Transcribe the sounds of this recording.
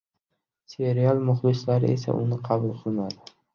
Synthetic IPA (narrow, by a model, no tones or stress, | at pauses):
se̞ɾialˠmʊhbɪslaɾɪ̰ʔe̞sa̰ʔʊ̰nɪqʰɑbʊlˠqʰɨlˠmad̪ɪ